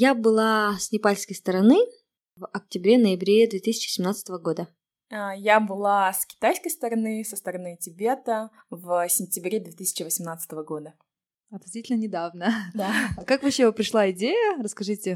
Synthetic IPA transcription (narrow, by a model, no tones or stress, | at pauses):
jabɨlˠasʲnʲɪpalʲskəjst̪əɾɐnɨ | vɐk̚tʲɪbɾʲenəjɪbɾʲed̪vʲet̪isʲɪ̥t͡ɕɪ̥sʲɪmnat̪sət̪əvəɡo̞d̪ə | əjabɨlˠaskʲɪ̥t̪ajskəjst̪əɾɐnɨsəst̪əɾɐnɨtʲɪbʲe̞t̪ə | vsʲɪnʲtʲɪbɾʲed̪vʲet̪ɨsʲɪ̥t͡ɕɪvəsʲɪmnat̪sə̥t̪əvəɡo̞d̪ə | ɐt̪nɐsvʲitʲɪlʲnənʲɪd̪avnəd̪akakvɐɕːevɨpɾʲɪʂlˠaɪdʲejərəskɐʐɨtʲɪ